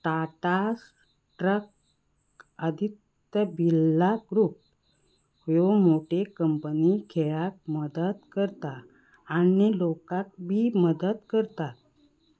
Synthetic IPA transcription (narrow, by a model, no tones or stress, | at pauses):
t̪aʈas | ʈɾək | əd̪ʱit̪ː | əbilːaɡɾuːp̚ | jomoʈekəmpənikʰeɭak̚məd̪əd̪kəɾt̪aː | nilokak̚bʱiməd̪əd̪kəɾt̪at̪